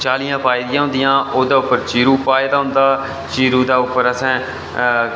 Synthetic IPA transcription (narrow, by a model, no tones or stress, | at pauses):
t͡ʃaːlijãːpʰaːɪd̪ijãːɦʊ̃nd̪ɪjãːʔoːd̪aːʊpːəɾt͡ʃiːɾuːpaːd̪aːɦʊ̃nd̪aː | t͡ʃiːɾuːd̪aːʊpːəɾəsɛ̃ː